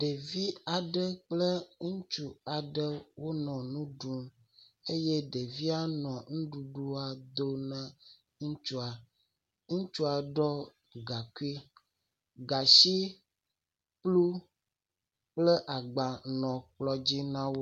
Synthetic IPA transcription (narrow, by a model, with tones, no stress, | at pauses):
ɖe˨vi˦a˨ɖə˦k͡plə˦ŋ̩̃˦t͡ʃu˨a˨ɖə˦wo˦nɔ̃˨nũ˦ɖu˦m | e˦je˦ɖe˨vi˦a˦nɔ̃˨ŋũ˦ɖu˨ɖu˦a˨d̪o˦nə̃˦ | ŋũ˦t͡ʃu˦a˨ | ŋũ˦t͡ʃu˦a˨ɖɔ˦ | ɡa˨ku˦i˦ | ɡa˨ʃi˦ | plu˦ | k͡plə˦ʔa˨ɡ͡ba˨nɔ̃˨k͡plɔ˦d͡ʑi˦nã˦wo˦